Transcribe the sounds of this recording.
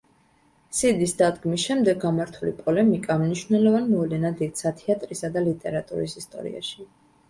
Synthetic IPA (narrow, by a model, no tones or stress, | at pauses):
sid̪isd̪ad̪ɡmisʃɛmd̪ɛɡamaɾt̪ʰulḭpʼɔlɛmikʼamniʃvnɛlɔvanmɔvlɛnad̪id̪sat̪ʰɛat̪ʼɾisad̪alit̪ʼɛɾat̪ʼṵɾḭsist̪ʼɔ̰ɾḭa̰ʃi